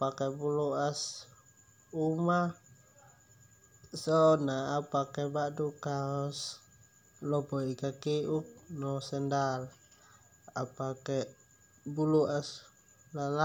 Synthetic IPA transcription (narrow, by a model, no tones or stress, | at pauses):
pakebuluʔas | uma | sɔnaːpakebadukaɔs | lɔbɔikakiʔuk̚nɔsɛndal | a̰pake | buluʔas | lala